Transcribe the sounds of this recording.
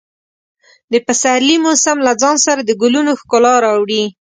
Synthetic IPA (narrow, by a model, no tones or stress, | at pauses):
d̪əpasaɾlimosamlad͡zɑnsaɾad̪əɡʊlunoxkʊlɑɾɑwɽi